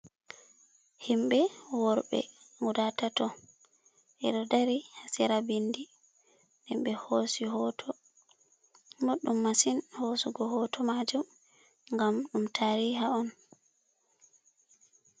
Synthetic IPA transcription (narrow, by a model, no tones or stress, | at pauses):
himɓɛwɔɾɓɛ̰ | ŋudatatɔ | ʔɛɗɔdaɾihasiɾabindi | ɗɛmɓɛhosiɦɔtʰɔ | moɗːumːasinhosuɡɔɦɔtʰɔmad͡ʒum | ŋɡamɗumtʰaːɾihaɔn